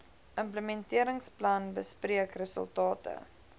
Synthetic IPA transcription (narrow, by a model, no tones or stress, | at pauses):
ʔəmpləmɛntiəɾəŋsplɐnbəspriəkrəsə̰lˠtɑːtə̰